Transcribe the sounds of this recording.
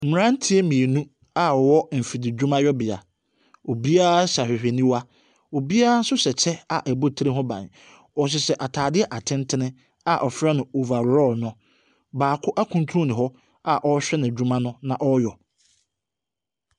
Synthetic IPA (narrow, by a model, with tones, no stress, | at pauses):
m̩˨mɪ˨ɾã˦n̩˦tʰi˦e˦mĩ˨e˨nũ˦ | a˨ɔ˨wɔ˦m̩˨fi˨dɪ˨d͡ʑᶣu˦mã˦jɔ˦bɪ˨a̰˨ | o˨bi˦a˦ɕa˨ɕᶣɪ˨ɕᶣe˨nĩ˦wa˦ | o˨bi˦a˦a˦sʊ˦ɕɛ˨t͡ɕʰɛ˦a˨ʔɛ˨bo˦˨tʰɾe˦ɦɔ̃˦bã̰˨ɲ | ɔ˨ɕ̬ɪ˨sɛ˨ʔa˨tʰaː˨dɪ˦ɛ˦ʔa˨tʰɪ̃˦n˦tʰɪ˦nɪ̃˦ | a˨ʔɔ˨fɾa˦nʊ̃˨o˨va˨ɾɾɔ˦˨nʊ̃˦ | baː˨kʰʊ˦ʔa˦kʰũ˦n˦tʰu˦ũ˦nɪ̃˨ɦɔ˦ | a˨ʔɔ˦ɕᶣɛ˦nɪ̃˨d͡ʑᶣu˦mã˦nʊ̃˦nã˨ʔɔ˦jɔ˨